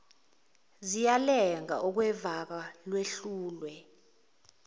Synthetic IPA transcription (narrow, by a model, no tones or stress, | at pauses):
zijalɛŋa̰ʔɔk̬wɛvak̬alweɬuːlwɛ